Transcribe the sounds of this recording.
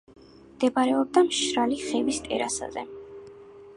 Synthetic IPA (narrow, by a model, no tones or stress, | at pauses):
md̪̥ɛbaɾɛɔb̚d̪amʃɾaliχɛvist̪ʼɛ̰ɾa̰sa̰zɛ̰